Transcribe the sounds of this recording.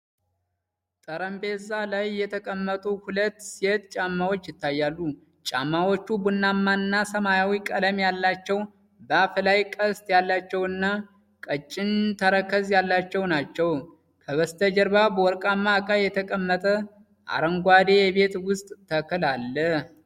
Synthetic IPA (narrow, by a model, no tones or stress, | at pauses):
t̪ʼəɾəmbezalajːɛt̪ʰəkʼəmːət̪ʼuhulət̪ːsiet̪t͡ʃʼamːawot͡ʃːjɪt̪ːajːalːu | t͡ʃʼa̰mːawo̞t͡ʃːubunːamːaɨnːasəmajawikʼələmjalːat͡ʃːɛw | bəaflajkʼəst̪jalːat͡ʃːɛwɨnːa | kʼət͡ʃʼːɪnt̪ʰəɾəkːəzjalːat͡ʃːɛwnat͡ʃːɛw | kʰəβəst̪ʰəd͡ʒəɾbabəwɔɾkʼamːakʼajɛt̪ʰəkʼəmːət̪ʼə | ʔa̰ɾəŋɡʷad̪e̞jɛβe̞t̪wʊst̪ʼt̪ʰːəkʰɨlalːə